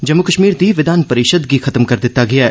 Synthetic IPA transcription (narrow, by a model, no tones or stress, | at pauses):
d͡ʒɐmːukəʃmiːɾd̪iʋɪd̪aːnpɐɾɪʃəd̪bʱixɐt̪əmkɐɾd̪ɪt̪ːaɡɐjaɦɛː